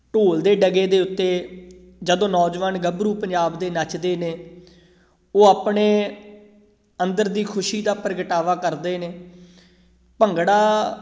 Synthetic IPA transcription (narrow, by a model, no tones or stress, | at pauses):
ʈoːld̪eːɖəɡeːd̪eːʊt̪ːeː | d͡ʒəd̪õːnɔːd͡ʒʋaːnɡəbɾuːpəɲd͡ʒaːbd̪eːnət͡ʃd̪eːneː | oːaːpɳeː | ənd̪əɾd̪iːkʰʊʃiːd̪aːpəɾɡəʈaːʋaːkəɾd̪eːneː | pəŋɡɽaː